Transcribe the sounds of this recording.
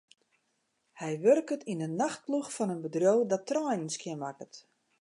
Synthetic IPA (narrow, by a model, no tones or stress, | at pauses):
hɛjʋørkətʰinənːaxt̚pluxfɔnənbədrjowdɔtːrɔjnənskʰɪnʋakət